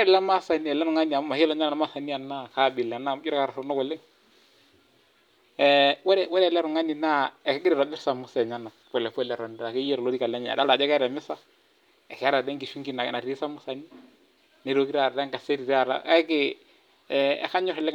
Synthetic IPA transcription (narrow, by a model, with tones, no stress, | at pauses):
lɛ˦ma˦sa˨ni˨ɛ˨lɛ˦ɾʊ˨ŋa˦ni˨a˨m˦ma˨hi˦lɔ˨˦ɲa˦na˨a˦ma˦sa˨ni˦a˨na˦ka˦˨bɪ˨lɛ˨na˦d͡ʒɪ˦ɾka˨ɾa˨ɾɔ˨nɔ˦kɔ˨lɪ˦ŋ | ɛ˨wɛ˦ɾɛ˦wɛ˦ɾɛ˨lɛ˦ɾʊ˨ŋa˦ni˨na˦ɛ˨kɛ˦ɡɪ˦ɾi˨ɾa˨bɪ˦ɾsa˨mʊ˦sɛ˨ɲa˦na˨pɔ˨lɛ˨fɔ˦˨lɛ˨ɾɔ˨nda˨ke˦jɛ˦ɾɔ˨lo˦ɾi˦ka˨lɛ˦ɲ˨a̰˨da˦ɾa˨d͡ʒɛ˦kɛ˦ɾɛ˨mɪ˦sa˦ | ɛ˨kɛ˨a˦ɾa˨dɛ˦ŋɡi˨ʃu˦ŋɡi˨na̰˨na˨ɾi˨ɾi˦sa˦mʊ˦sa˨ni˦ | nɪ˨ɾo˦ki˦ɾa˨ɾɾɛ˦ŋɡa˨sɛ˦ɾi˨ɾa˨ɾa̰˨a˦kɪ˦˨ | ɛ̰˨ka˦ɲɔ˦ɾɛ˨lɛ˦ŋ